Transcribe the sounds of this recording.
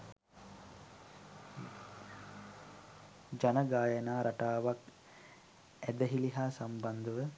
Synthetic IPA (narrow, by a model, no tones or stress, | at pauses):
d͡ʒanəɡaːjənaːɾʔaʈaːʋak | æd̪əɦiliɦaːsamband̪əʋə